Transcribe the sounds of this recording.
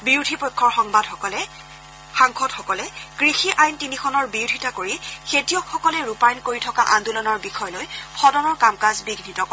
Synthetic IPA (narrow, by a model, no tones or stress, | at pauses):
biudʱipɔjkʰːɔɹxɔŋbadxɔkɔlɛ | xaŋkʰɔdxɔkɔlɛkɹixiʔajntinixʰɔnɔɹbiwdʱitakoɹixetijɔkxɔkɔlɛɹupajnkoɹitʰɔkaʔandulɔnaɹbixɔjɔlojpʰɔdɔnɔɹkamkazbiɡnitɔkɔ